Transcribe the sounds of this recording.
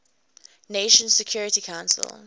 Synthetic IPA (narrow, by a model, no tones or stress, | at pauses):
neʃə̃nsɛkʰj̥ɔɹɪtikʰãʊ̃nsə̰l